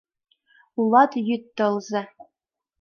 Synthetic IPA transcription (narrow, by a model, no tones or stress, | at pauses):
ulˠɑt̪jyt̪ːɤ̆lˠzɘ̆